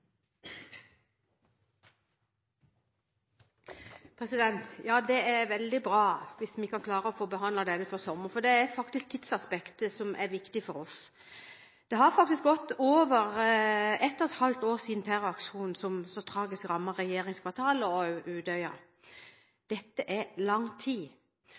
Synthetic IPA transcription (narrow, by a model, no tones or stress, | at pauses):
pʰɾɛsɪd̪ɛnt̪jɑːd̪ɛæɾʋɛld̪ɪbɾɑːʋɪsʋɪkʰɑnkʰlɑːɾəɔfoːbəɦɑnd̪lɑd̪ɛnːəføʁsɔmːəɾfɔd̪ɛæɾfɑkt̪ɪsk̚t̪ʰɪt̪sɑspɛkt̪əsɔmʔæɾʋɪkt̪ɪfɔɾɔs | d̪̥ɛɦɑɾfɑk̚t̪ɪsk̚ɡɔt̪ːoːʋəʁ | ɛt̪ːɔt̪hɑlt̪oːʁsiːd̪n̩t̪ʰæʁəɑkʂuːnn̩sɔmsɔt̪ʰɾɑːɡɪskʁɑmːɑʁɛjeːʁɪŋskʰʋɑʁt̪ʰɑːləɔʔʉːd̪œʏɑ | d̪̥ɛt̪ːəʔæɾlɑŋt̪ʰiː